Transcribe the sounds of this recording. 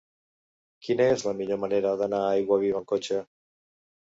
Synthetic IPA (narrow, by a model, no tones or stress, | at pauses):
kinaezlamiʎomaneɾaðanaajɣwaβ̞iβaŋkot͡ʃe